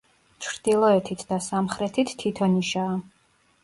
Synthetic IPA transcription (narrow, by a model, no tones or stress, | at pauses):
t͡ʃʰɾd̪̥ilˠɔɛt̪ʰit̪ʰd̪asamχɾɛt̪ʰit̪ːʰit̪ʰɔniʃaː